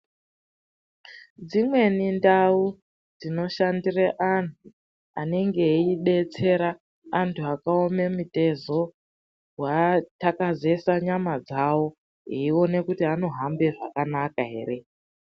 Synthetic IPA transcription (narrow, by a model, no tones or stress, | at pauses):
d͡zimwe̞nindau | d͡zino̞ʃandireʔanu | ane̞ŋɡe̞iɗe̞t͡se̞ɾaː | ntʰuakao̞me̞mute̞zo̞ | watakaze̞saɲamad͡zawo̞ | ɦeione̞kutiano̞ɦambe̞ʐakanakaɦe̞̰ːre̞